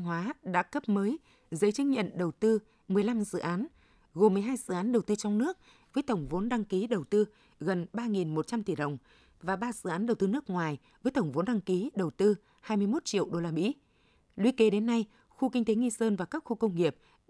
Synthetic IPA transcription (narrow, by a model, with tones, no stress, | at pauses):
ŋɦwaː˨˦ɗa̰ː˧˥kə˦˥p̚məː˨˦j | zə˨˦jt͡ɕɨ˨˦ɲə̰˧˨nɗə˨˩wt̪ɨ˧ | mɨ˨˩əjla˧mzɨ̰˧˨ʔaː˨˦n | ɣo˨˩mːɨ˨˩əjɦaː˧jzɨ̰˧˨ʔaː˨˦nɗə˨˩wt̪ɨ˧t͡ɕɔ˧ŋ͡mnɨ˦˥ək̚ | vəː˨˦jt̪ə˧˩wŋ͡mvo˨˦nɗa˧ŋki˨˦ɗə˨˩wt̪ɨ˧ | ɣə˨˩nɓaː˧ŋi˨˩nmo˨˩t̚t͡ɕa˧mt̪i˧˩ɗə˨˩wŋ͡m | vaː˨˩ɓaː˧zɨ̰˧˨ʔaː˨˦nɗə˨˩wt̪ɨ˧nɨ˦˥ək̚ŋwaː˨˩j | vəː˨˦jt̪ə˧˩wŋ͡mvo˨˦nɗa˧ŋki˨˦ɗə˨˩wt̪ɨ˧ | haː˧jmɨ˧əjmo˦˥t̚t͡ɕḭ˧˨əwɗo˧laː˧mḭ˧˥ | lwi˧˦ke˨˦ɗe˨˦nːa˧j | xu˧kï˧ŋ̟t̪e˨˦ŋi˧səː˧nvaː˨˩kaː˦˥k̚xu˧kə˧wŋ͡mŋi˨˩əp̚